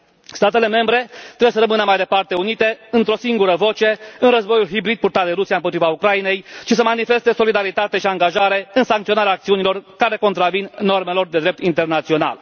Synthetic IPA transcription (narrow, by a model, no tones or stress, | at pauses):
st̪at̪e̞le̞me̞mbɾe̞t̪ɾebsəɾəmɨnəmajd̪epart̪e̞unit̪e̞ɨnt̪ɾo̞siŋɡuɾəvo̞t͡ʃe̞ɨnrəzbo̞julɦibɾid̪̚purt̪at̪d̪eɾusijaɨmpot̪ɾivaukɾajine̞jʃisəmanife̞st̪e̞so̞lid̪aɾit̪at̪e̞ʃiaŋɡaʒaɾe̞ɨnsaŋkt̪ionaɾʲeaːk̚t̪iunilo̞rkaɾe̞ko̞nt̪ɾavinnːo̞rme̞lo̞rd̪ed̪ɾe̞p̚t̪int̪e̞rnat̪sio̞na̰l